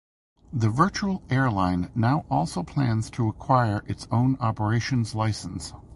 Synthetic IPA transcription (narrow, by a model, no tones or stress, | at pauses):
ðɨvɜ˞t͡ʃul̩ˠɛɹlãɪ̃nːaʊʔɔlˠsoʊpʰl̥æ̃nz̥tʰəəkʰw̥aɪə˞ʔɨtsõʊ̃nɑpə˞eɪʃɨ̃nzlaɪsn̩s